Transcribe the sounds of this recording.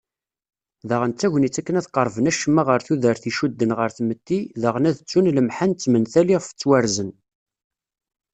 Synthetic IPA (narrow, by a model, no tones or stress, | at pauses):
ðəʁənt͡sːæʝnit͡sːækːənæθqəɾˤvənæʃəmːaʁəɾθuðəɾθiʃud̪ːənʁəɾθmət̪ːiðəʁnæðət͡sːunləmħant͡sːmənθæliʁfə̥t͡sːwæɾzən